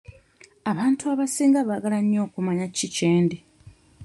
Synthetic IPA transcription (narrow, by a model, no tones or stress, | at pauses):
aβaːntuaβasiːŋɡaβaɡalaɲːo̞ːkumaɲacice̞ːnde